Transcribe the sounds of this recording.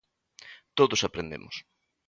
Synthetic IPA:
t̪oðʊsapɾend̪ḛmʊ̰s

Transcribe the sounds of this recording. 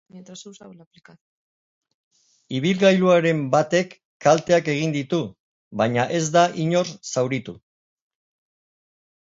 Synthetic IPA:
et̪asawsaβlaplikað | iβ̞ilɣajluaɾe̞mbat̪e̞kː | alt̪e̞ake̞ɣ̞ind̪it̪u | βaɲaʔe̞zd̪aʔiɲo̞ɾsawɾit̪u

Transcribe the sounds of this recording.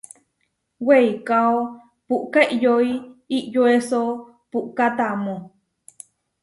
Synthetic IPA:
weikao | puʔkeʔjoiiʔjoeso | puʔkat̪amõ

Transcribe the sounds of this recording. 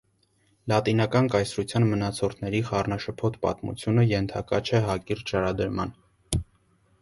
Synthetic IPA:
lɑt̪inɑkɑnkɑjsɾut͡sʰjɑnmənɑt͡sʰɔrt̪ʰnɛɾiχɑrnɑʃəpʰɔt̪ʰpɑ̰t̪mṵt͡sʰjunəjɛnt̪ʰɑ̰kɑ̰t͡ʃʰɛɦɑkiɾt͡ʃɑɾɑd̪əɾmɑn

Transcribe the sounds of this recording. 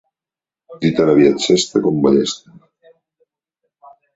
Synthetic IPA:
d̪it̪alaβjat͡ʃest̪akombaʎest̪e

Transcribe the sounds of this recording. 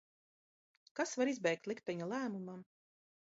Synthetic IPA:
kasvaɾizbɛjk̚t̪lˠik̚t̪ɛɲalˠæːmumam

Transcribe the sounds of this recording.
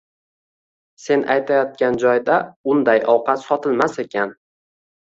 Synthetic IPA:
se̞nʔa̰jt̪ʰajɒt̪̚kʲand͡ʒɒjd̪aʊnd̪ajɒwqʰɑt̪sɒt̪ʰɪlmase̞kʲʰan

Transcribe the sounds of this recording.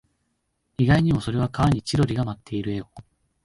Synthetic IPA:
iɡaiɲ̟imo̞soɾe̞β̞akaβaɲ̟it͡ɕiɾo̞ɾʲiɡamat̪ʰːe̞iɾɯ̟e̞o

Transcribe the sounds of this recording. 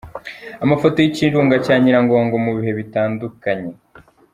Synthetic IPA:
amafoto̞jiciːnɾuːŋɡacaːɲiɾaŋɡo̞ːŋɡomuβiɦe̞βitaːndukaɲe̞

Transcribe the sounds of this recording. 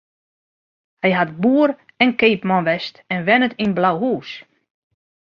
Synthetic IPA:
hɛjɦat̚buːəɾ | ɛnkejpmɔnʋɛstɛnʋɛnətinblawɦuːs

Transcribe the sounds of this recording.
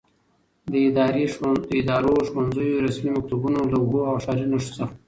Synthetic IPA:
d̪əɪd̪ɑɾeɪd̪ɑɾoʃwanzəjoɾasmimak̚t̪ubunolaʊboawʃɑɾinaʂo̥səx

